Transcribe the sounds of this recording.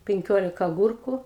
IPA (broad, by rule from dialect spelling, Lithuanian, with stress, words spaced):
pʲɪŋʲˈkʲoːlʲɪkɐ ɐˈɡʊrkʊ